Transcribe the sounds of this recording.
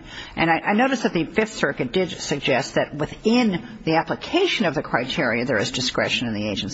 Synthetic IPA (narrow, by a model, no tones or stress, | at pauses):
ʔɨ̃ñaɪʔaɪnoʊɾɨsðɨt̪̚ðɨfɪfθsɜ˞kɨt̚d̥ɪdsɨɡ̚d͡ʒɛst̪̚ðɨt̚wɨθɪ̃n | ðiæpləkʰeɪʃɨ̃nʌvðɨkʰɹ̥aɪtʰɪɹiɨðə˞ɨzdɨskɹɛ̰ʃɨ̃nɨ̃nðieɪd͡ʒɨ̃n̩s